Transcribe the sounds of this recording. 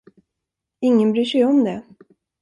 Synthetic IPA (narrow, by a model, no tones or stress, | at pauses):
ɪŋːənbɾyːʂɛjɔmd̪ɛ